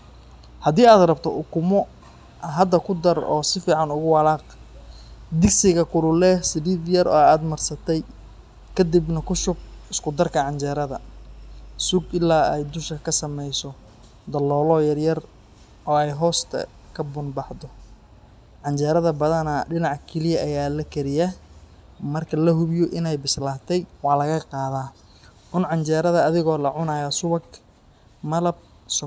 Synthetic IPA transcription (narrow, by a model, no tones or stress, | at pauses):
hɐdiːaːd̪rɐbt̪ʰɔʔʊkʰʊmɔ | ɦɐd̪ɐkʰʊd̪ɐrɔ̰ːsɪfiːʕɑnʊɣʊwɑlaːq | d̪ɪɡksɪɣɐkʰʊlʊlɛsɪdiːd̪jɐrɔ̰ːaːd̪mɐrsɐt̪ʰɛj | kʰɐd̪ibnɐkʰʊʃʊb̚ɪskʰʊd̪ɐrkʰɐʕɑɲt͡ʃɛɾɐðɐ | sʊɡɪlːaːɛjd̪ʊʃkʰɐkʰɐsɐmɛjsɔ | d̪ɐlːɔːlɔːjɐrjɐr | ʔɔːɛjɦɔːst̪ʰɐ̰ | kʰɐbʊnbɑħd̪ɔ | ʕɑnt͡ʃɛːɾɐðɐbɐðɐnɐɖɪnɑʕkʰɛlɪjɐʔɐjaːlɐkʰɛɾɪja | mɐrkʰɐlɐɦʊβjɔʔɪnɛjbɪslaːt̪ʰɛjwɑħlɐɣɐqɑːðaː | ʕʊnʕɑnt͡ʃɛːɾɐðɐːðɪɣɔːlɐʕʊnaːjɐsʊβɐɡ | mɐlɐb̚ | s